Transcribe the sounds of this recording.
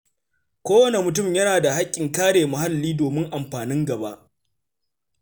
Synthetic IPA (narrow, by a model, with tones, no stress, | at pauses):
kʷoː˦wɐ˦ne˨mʊ˨t̬ʊ˦˨mjɐ˦naː˨da˨ha˦kʲʼːɪ˨ŋkaː˦ɽeː˨mʊ˨ha˦lːiː˦doː˨mɪ˦ŋʔa˨mɸaː˨nɪ˦ŋɡɐ˨ba˦ʔ